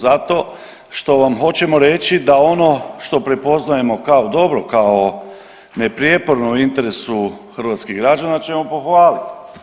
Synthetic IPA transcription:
zat̪o̞ | ʃt̪o̞ʋamɦo̞t͡ɕe̞mo̞ɾe̞t͡ʃid̪ao̞no̞ʃt̪o̞pɾe̞po̞znaje̞mo̞kao̞d̪o̞bɾo̞kao | ne̞pɾjepo̞ɾnouint̪e̞ɾe̞suxrɾ̩ʋat̪skiɣɡɾad͡ʒanat͡ʃe̞mo̞po̞xʋaːlit̪

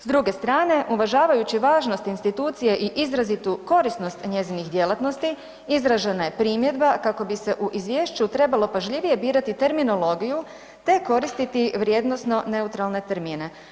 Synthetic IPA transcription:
sd̪ɾuɡe̞st̪ɾaːne̞ʔuʋaʒaːʋajut͡ɕiʋaːʒno̞st̪inst̪it̪uːt̪sije̞ʔiʔizɾazit̪uko̞ɾisno̞st̪ɲe̞zinixd̪je̞lˠat̪no̞st̪i | izɾaʒe̞naje̞pɾiːmje̞d̪bakako̞bise̞ʔuʔizʋje̞ːʃt͡ɕut̪ɾe̞balˠo̞paʒʎiʋije̞biːɾat̪it̪e̞ɾmino̞lˠo̞ɡiju | t̪e̞ko̞ɾist̪it̪iʋɾje̞d̪no̞sno̞ne̞ut̪ɾalˠne̞t̪eɾmiːne̞

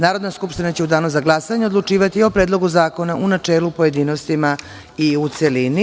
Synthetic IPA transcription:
naːɾod̪naskupʃt̪inat͡ɕeud̪aːnuzaɡlˠasaɲeo̞d̪lˠut͡ʂiːʋat̪io̞pɾeːd̪lˠo̞ɡuzaːko̞naʔunat͡ʂe̞ːlupo̞je̞d̪iːno̞st̪ima | iut̪selini

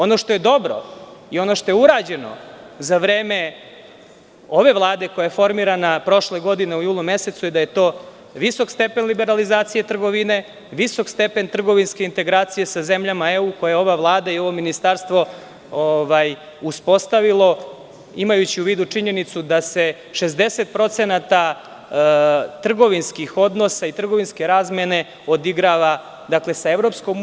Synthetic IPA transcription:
ono̞ʃt̪oje̞d̪o̞bɾo̞̰io̞no̞ʃt̪o̞jeuɾaːd͡ʑe̞no̞̰zaʋɾeːme̞ | oʋe̞ʋlˠaːd̪e̞kojajefo̞ɾmiɾanapɾo̞ʃleɡo̞d̪ine̞ujuːlˠume̞se̞t̪sujed̪aje̞t̪o̞ː | ʋiso̞kst̪e̞pe̞nlibe̞ɾalizaːt̪sijet̪r̩ɡo̞ʋine | ʋiso̞kst̪epe̞nt̪r̩ɡo̞ʋinske̞int̪e̞ɡɾaːt̪sije̞sazemʎamaeuːko̞jajeo̞ʋaʋlˠaːd̪aio̞ʋo̞minist̪aɾst̪ʋo̞ | oʋaj | uspo̞st̪aʋilˠo̞ | imajut͡ɕiuʋiːd̪ut͡ʂiɲe̞nit̪sud̪ase̞ | ʃe̞zd̪e̞se̞t̪pɾo̞t̪senat̪a | t̪r̩ɡo̞ʋinskixo̞d̪no̞sait̪r̩ɡo̞ʋinske̞ɾaːzme̞ne̞ | o̞d̪iɡɾaʋa | d̪akle̞saeʋɾo̞psko̞m

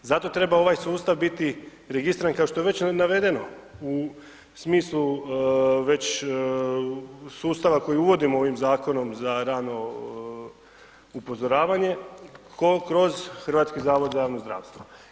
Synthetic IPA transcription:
zat̪o̞t̪ɾe̞bao̞ʋajsuːst̪aʋbit̪i | ɾeɡist̪iɾankaoʃt̪o̞jee̞t͡ɕnaʋe̞d̪e̞no̞ | u | smiːslˠu | ʋe̞t͡ɕ | suːst̪aʋako̞jiuʋo̞d̪imooʋimzaːko̞no̞mzaɾaːno̞ | upo̞zo̞ɾaːʋaɲe̞kokɾo̞zxr̩ʋaːt̪skizaːʋo̞d̪zajaːʋnozd̪ɾa̰ːʋst̪ʋo

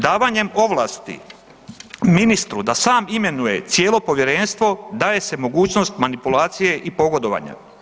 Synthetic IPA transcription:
d̪aːʋaɲe̞mo̞ʋlaːst̪ḭ | minist̪ɾud̪asaːmime̞nuje̞t̪sjeːlˠo̞po̞ʋjeɾe̞nst̪ʋo̞d̪aːje̞se̞mo̞ɡuːt͡ɕno̞st̪manipulaːt̪sije̞ʔipo̞ɡo̞d̪o̞ʋa̰ːɲa̰

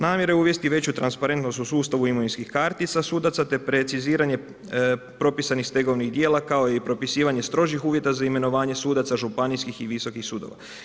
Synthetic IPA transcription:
naːmje̞ɾeuʋje̞st̪iʋe̞t͡ɕut̪ɾanspaɾe̞nt̪no̞st̪usuːst̪aʋuimoʋinskixkaɾt̪it̪sasuːd̪at̪sat̪e̞pɾe̞t̪siziːɾaɲe | pɾo̞pisanixst̪e̞ɡo̞ʋnixd̪je̞ːlˠakao̞jeipɾo̞pisiːʋaɲe̞st̪ɾo̞ʒixuːʋje̞t̪azaime̞no̞ʋaːɲe̞suːd̪at̪saʒupaniskixiʋiso̞kixsuːd̪o̰ʋa̰

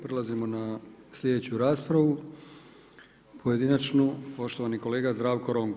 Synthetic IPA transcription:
pɾelazimo̞nasʎʲed̪et͡ɕuɾaːspɾaʋu | pʰoje̞d̪inat͡ʃnupo̞ʃt̪o̞ʋaniko̞leːɡazd̪ɾaːʋko̞ɾoŋɡ

